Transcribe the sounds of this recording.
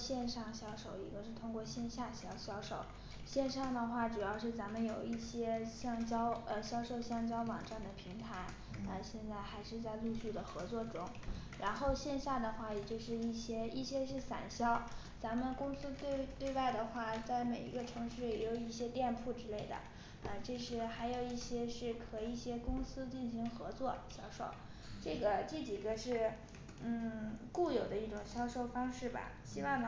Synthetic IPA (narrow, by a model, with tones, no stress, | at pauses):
ɕjɛ˥˧nʂɑ˥˩ŋɕjɑ˥ʊʂo˨˩ʊḭ˧˥ɡə˧ʂɻ̩˥˩t̪ʰʊ˥ŋkwɔ˥˧ɕjɛ˥˧nɕja˥˩ɕjɑ˥ʊɕjɑ˥ʊʂo˨˩˦ʊ | ɕjɛ˥˧nʂɑ˥˩ŋd̪ə˩xwa˥˩ʈ͡ʂu˨˩jɑ˥˧ʊʂɻ̩˥˩t͡sa˧˥mə˧njo˨˩ʊi˥˩ɕjɛ˥ɕjɑ˥˧ŋt͡ɕjɑ˥ʊə˧ɕjɑ˥ʊʂo˥˧ʊɕjɑ˥ŋt͡ɕjɑ˥ʊwɑ˨˩ŋʈ͡ʂa˥˩nd̪ə˩pʰi˧˥ŋt̪ʰa˧˥ɪ | ə˧ɕjɛ˥˧nt͡sa˥˩ɪxa˧˥ɪʂɻ̩˥˧t͡sa˥˧ɪlu˥˧ɕy˥˩d̪ə˩xɤ˧˥t͡swɔ˥˩ʈ͡ʂʊ˥ŋɻa˧˥nxo˥˧ʊɕjɛ˥˧nɕja˥˩d̪ə˩xwa˥˩jɛ˨˩t͡ɕjo˥˧ʊʂɻ̩˥˧i˥˩ɕjɛ˥i˥˩ɕjɛ˥ʂ̬ɻ̩˥˩sa̰˨˩nɕjɑ˥ʊ | t͡sa˧˥mə˧˨nkʊ˥ŋsɹ̩˥t̪we˥˧ɪt̪we˥˧ɪwa˥˩ɪd̪ə˩xwa˥˩t͡sa˥˩ɪme˨˩ɪḭ˧˥ɡə˧ʈ͡ʂʰɤ˧˥ŋʂɻ̩˥˩jɛ˧˥jo˨˩ʊi˥˩ɕjɛ˥t̪jɛ˥˧npʰu˥˩ʈ͡ʂɻ̩˥le˥˩ɪd̪ə̰˩ | ə˧ʈ͡ʂɤ˥˧ʂɻ̩˧˥xa˧˥ɪjo˨˩ʊi˥˩ɕjɛ˥ʂɻ̩˥˩kʰɤ˨˩i˥˩ɕjɛ˥kʊ˥ŋsɹ̩˥t͡ɕi˥˩nɕi˧˥ŋxɤ˧˥t͡swɔ˥˩ɕjɑ˥ʊʂo˥˩ʊ | ʈ͡ʂɤ˥˩ɡə˩t͡ɕi˥˩t͡ɕi˨˩ɡə˦ʂɻ̩˥˧ | n̩˥˩ku˥˩jo˨˩ʊd̪ə˦i˥˩ʈ͡ʂʊ˨˩ŋɕjɑ˥ʊʂo˥˧ʊfɑ˥ŋʂɻ̩˥˩bɐ̰˩ɕi˥wɑ˥˩ŋ˩